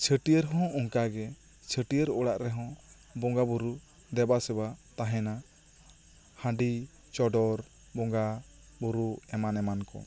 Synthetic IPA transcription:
t͡ʃʰəʈijəɾɦɔ̃uŋkaɡɛ | t͡ʃʰəʈijəɾɔɽaʔɾɛɦɔ̃ | bɔŋɡabuɾu | d̪ɛbasɛbat̪aɦɛ̃na | hãɖi | t͡ʃɔɖɔɾ | bɔŋɡa | buɾuɛmanɛmankɔ̰

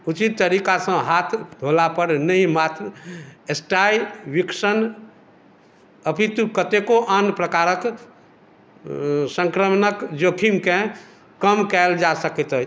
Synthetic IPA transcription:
ut͡ʃit̪ːəɾikasə̃ɦat̪ʰd̪ʱolapəɾnəɦĩmat̪ɾesʈajʋiksən | əpit̪ukət̪ekoʔənpɾəkaɾək | sə̃ŋkɾəmnəkd͡ʒokʰimkẽ | kəmkɛld͡ʒasəkɛt̪ə

